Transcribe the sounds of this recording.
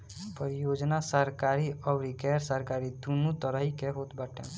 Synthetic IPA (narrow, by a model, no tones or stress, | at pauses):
pəɾijod͡ʒnasəɾkaɾiʔɔʋɾikɛɾsəɾkaɾid̪unut̪əɾəɦikeɦot̪baʈʰḛ̃